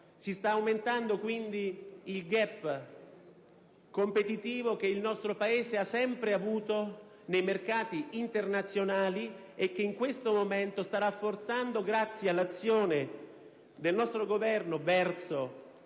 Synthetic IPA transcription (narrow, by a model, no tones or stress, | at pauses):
sist̪aːwment̪and̪okwind̪iːlɡɛpː | kompet̪it̪iːvok̟eilnɔst̪ɾopaeːzeasːɛmpɾeavuːt̪o | nejmerkaːt̪iint̪ernat̪sːjonaːli | ek̟ːeiŋkwest̪omomɛnt̪ost̪aɾafːort̪sand̪oɡɾat̪sːjialːat̪sːjoːne | d̪elnɔst̪ɾoɡovɛrnovɛrt̪so